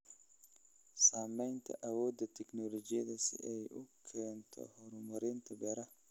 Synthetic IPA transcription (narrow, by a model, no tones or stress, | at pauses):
saːmɛjnt̪ʰɐ̰ʔɐwɔːd̪ːɐt̪ʰɛknɔlɔd͡ʒɪjɐd̪ɐsɪ̰ɛjʔʊkʰɛːnt̪ʰɔ̰hɔɾʊmɔɾɛnt̪ʰɐbɛːɾɐ